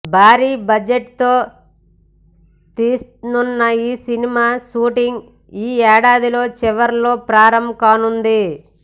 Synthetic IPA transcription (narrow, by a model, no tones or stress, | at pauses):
bʱaːɾiːbɐd͡ʒeʈt̪oː | t̪iːsnunːɐiːsinimaːʃuːʈiŋɡ | iːɛːɽaːd̪ilo̞ːt͡ʃɛʋɐɾlo̞ːpɾaːɾɐmkaːnund̪i